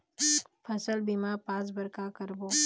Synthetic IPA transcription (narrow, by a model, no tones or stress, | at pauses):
pʰəsəlbimaɾpaːs̬bəɾkakəɾboː